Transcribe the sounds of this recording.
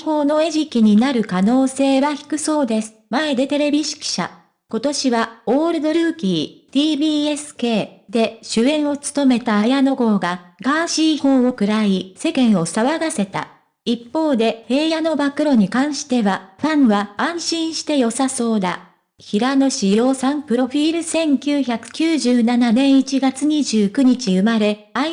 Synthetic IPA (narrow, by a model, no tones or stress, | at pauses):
ho̞ːno̞e̞ʑikʲiɲ̟inaɾɯ̟kano̞ːse̞ːβaçi̥kɯ̟so̞ːd̪e̞sɨ̥mae̞d̪e̞t̪e̞ɾe̞bʲiɕi̥kʲi̥ɕa̰ | ko̞t̪o̞ɕiβaoːɾɯ̟d̪o̞ɾɯ̟ːkʲiːt̪iːbʲiːe̞sɨ̥ke̞ːd̪e̞ɕɨẽ̞ɰ̃o̞t͡sɨ̥t̪o̞me̞t̪aːjano̞ɡo̞ːɡaɡaːɕiːho̞ːo̞kɯ̟ɾaise̞kẽ̞ɰ̃o̞saβaɡase̞t̪a̰ | ipːo̞ːd̪e̞he̞ːjano̞bakɯ̟ɾo̞ɲ̟ikãɰ̃ɕi̥t̪e̞βaɸãɰ̃βãːɰ̃ɕĩɰ̃ɕi̥t̪e̞jo̞saso̞ːd̪a | çiɾanoɕijo̞ːsãmpɯ̟ɾo̞ɸʲiːɾɯ̟sẽ̞ŋkʲɨːçakɯ̟̥kʲɨːʑɨːnananẽ̞ɰ̃it͡ɕiɡat͡sɨɲ̟iʑɨːkɯ̟ɲ̟it͡ɕiɯ̟maɾe̞ | a